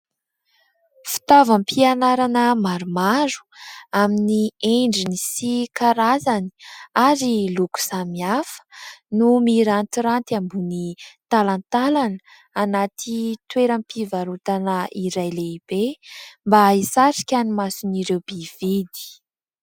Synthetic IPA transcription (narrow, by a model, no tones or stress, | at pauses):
fi̥t̪avampʰianaɾanəmaɾumaɾu̥aminieɳɖ͡ʐinisikaɾazani̥aɾiluku̥samiafə̥numiɾant̪iɾant̪ambunit̪alant̪alanə̥ | anat̪ʰit̪weɾampivaɾut̪anəiɾajleib̥embaisaɾi̥kʲanimasuniɾewbivid̪i̥